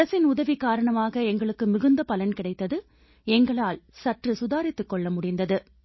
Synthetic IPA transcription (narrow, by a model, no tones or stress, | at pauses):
ɐsɪnʊðɐʋikːaːɾɐɳɐmaːɣɐɛŋɡɐɭɯkːɯmɪɣɯnd̪ɐpɐlɐnkɪɽɐɪt̪ːɐðɯ | ɛŋɡɐɭaːlsɐʈrɯsʊðaːɾɪt̪ːɯkːɔɭːɐmʊɽɪnd̪ɐðɯ